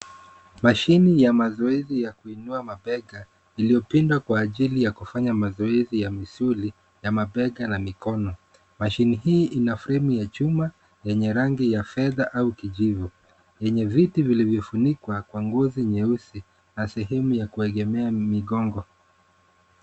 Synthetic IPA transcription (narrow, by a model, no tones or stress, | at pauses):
maʃinijamazɔɛzijakuinuamaɓɛɠa | ilijɔpindwakwaːʄilijakufaɲamazɔɛzijamisuli | jamaɓɛɠanamikɔnɔ | maʃiniɦiːʔinafɾɛmujat͡ʃuma | jɛɲɛɾaŋɡijafɛðaʔaukiʄivu | jɛɲɛvitivilivjɔfunikwakwaŋɡɔziɲɛusi | nasɛɦɛmujakuɛɠɛmɛamiɠɔŋɡɔ